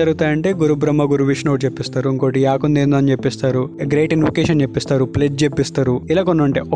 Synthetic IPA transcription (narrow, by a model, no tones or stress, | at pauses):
ɐɾuɡut̪aːjɐɳʈe̞ːɡuɾubɾɐmːɐɡuɾuʋiʂnoːʈ̚t͡ʃepːist̪aːɾuiŋko̞ːʈiaːkund̪end̪aːnt͡ʃepːist̪aːɾuɡɾeːʈinʋɐkeːʃɐnt͡ʃe̞pːist̪aːɾupled͡ʒt͡ʃepːist̪aːɾuilaːkonːɐɳʈeːʔɔ